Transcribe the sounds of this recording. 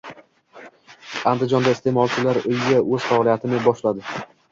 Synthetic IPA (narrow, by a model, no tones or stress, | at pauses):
and̪ɪd͡ʒɒnd̪aɪst̪e̞mɒlˠt͡ʃʰɪlaɾʊjɡʲaʔɵz̥faɒlijat̪ʰɪnɪbɒʃlad̪ɪ